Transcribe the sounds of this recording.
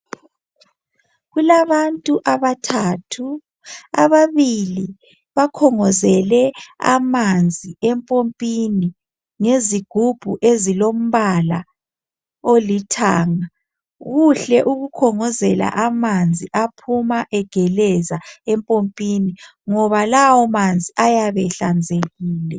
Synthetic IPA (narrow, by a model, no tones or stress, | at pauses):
ɣulaβantʼuʔaβatʰaːtʰu | a̰βaβili | βakʰɔŋɔzɛlɛa̰mand͡zʱiɛmpʼompʼini | ŋeziɡ̥ʱub̥ʱuʔezilom̩βala̰ | olitʰaːŋa | ɣuɬɛʔuɣukʰɔŋɔzɛla̰ʔamand͡zʱiʔapʰumaʔɛɡ̥ʱɛlɛzaɛmpʼompʼiniŋɔβalawɔmand͡zʱiʔajaβɛɬand͡zʱeɣiːlɛ